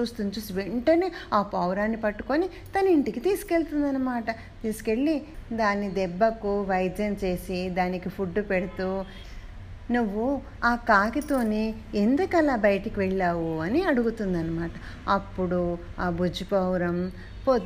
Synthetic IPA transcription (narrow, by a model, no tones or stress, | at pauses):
t͡ʃuːst̪unt͡ʃuːsiʋeɳʈɐneːaːpɐwɾaːnːipɐʈːu̥koni | t̪ɐnɐiɳʈikit̪iːsi̥ke̞ɭt̪und̪ɐnːɐmaːʈɐ | t̪iːsi̥ke̞ɭːid̪aːnːid̪ɛbːɐkuʋɐjd͡ʒ̪jɐnt͡ʃe̞ːsid̪aːnikipʰuɖːupeɽit̪u | nuʋːu | aːkaːkit̪o̞ːni | end̪ukɐlaːbɐjɐʈɐkiʋɛɭːaːwuɐniɐɽuɡut̪und̪ɐnːɐmaːʈɐ | ɐpːuɽuaːbud͡ʒipɐwɾɐm | po